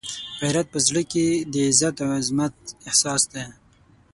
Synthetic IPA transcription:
ɣajɾat̪̚pəzɽəked̪əɪzat̪awɪzmat̪̚ɪhsɑsd̪e

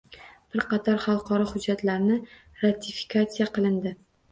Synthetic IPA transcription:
b̥ɪɾqɑt̪ʰɒɾχɑlˠqʰɒɾɒhʊd͡ʒːat̪laɾnɪ | ɾat̪ʰifi̥kʰat̪sijaqɨlˠɪnd̪ɪ

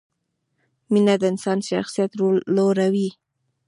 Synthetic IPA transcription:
minad̪əɪnsɑnʃa̰xsijat̪ɾoloɾawi

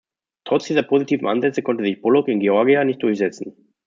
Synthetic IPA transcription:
tʁ̥ɔt͡sd̥iːzɐpʰozitʰiːvm̩ʔanzɛt͡səkʰɔntəzɪçb̥ɔlɔkɪnɡeɔɐɡianɪçt̚d̥ʊɐçz̥ɛt͡sn̩

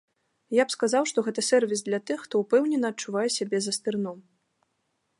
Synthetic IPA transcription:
japskazawʂt̪ɔɣɛt̪ɐsʲɛrvʲisd̪lʲɐt̪ɨxːt̪ɔupɛwnʲɛnɐːt͡ʂːuvajɛsʲabʲɛzɐst̪ɨrnɔm

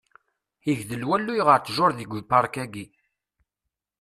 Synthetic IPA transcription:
iʝðəlwælːujʁəɾt͡sːʒʊɾˤðiɡʷpːɑɾˤkæɡi

